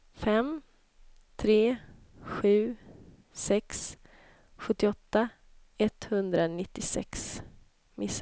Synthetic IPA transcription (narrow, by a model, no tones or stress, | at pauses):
fɛm | t̪ʰɾeː | ɧʉ̟ː | sɛks | ɧɵt̪ːɪɔt̪ːa | ɛt̪hɵnd̪ɾanɪt̪ːɪsɛ̰ks | mɪs